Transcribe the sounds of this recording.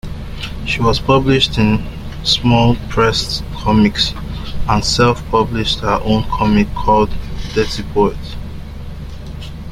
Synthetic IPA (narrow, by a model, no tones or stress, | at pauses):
ʃiwɔz̥pʰʌbliʃtɪ̃n | smɔlˠpʰɹɛstkʰɔmiks | ə̃nsɛlfpʰʌbliʃthəʔõnkʰɔmikʰːɔldːɛtipʰoɛt